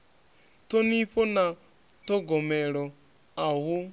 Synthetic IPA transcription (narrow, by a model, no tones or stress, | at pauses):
tɔniɸɔna | tɔɡɔmɛɺɔ | aɦu